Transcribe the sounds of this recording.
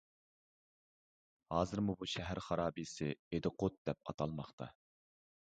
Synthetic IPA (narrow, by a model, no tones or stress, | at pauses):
hɑːzɨɾmubuʃɛɦæɾχɑɾɑːbisɪed̪ɪqʰot̪̚d̪ɛp̚ɑ̰t̪ʰɑlˠmɑχt̪ʰɑ̰